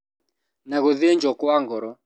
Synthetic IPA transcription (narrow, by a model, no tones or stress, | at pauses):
naɣoðiɲd͡ʒɔkɔaŋɡɔɾɔ